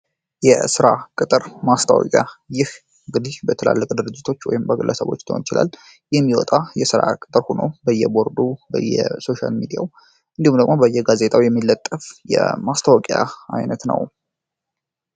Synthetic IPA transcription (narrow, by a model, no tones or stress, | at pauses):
jɛsɨɾakʼɨt̪ʼɨɾmast̪ʰa̰wɔ̰kʼjajɪh | ɨŋɡɨd̪ibət̪ʰəla̰lːəkʼd̪ɨɾɨd͡ʒːɪt̪ʰo̞t͡ʃːwɔ̰jɪmbəɡɨlːəsəβo̞̰t͡ʃːt̪ʰəonɪt͡ʃɪla̰l | jɛmːiwɔt̪ʼajɛsɨɾakʼɨt̪ʼɨɾhonobəjːɛbo̞ɾd̪ubə̰jːɛ̰so̞ʃa̰lmid̪ija̰w | ʔɨnd̪ihumd̪əɡmo̞bəjːɛɡaze̞t̪ʰʼawjɛmːilːət̪ʼːəfjɛ̰mast̪ʰawɔkʼja̰ajnət̪nə̰w